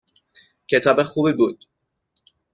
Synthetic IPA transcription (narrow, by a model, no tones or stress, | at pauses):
cʰe̞t̪ʰɒːbexuːbiːbuːd̪̥